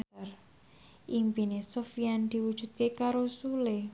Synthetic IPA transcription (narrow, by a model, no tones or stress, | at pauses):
r | ʔimpinesofijand̪̥i̤wud̥ʒ̥ṳd̪̚kekaɾosule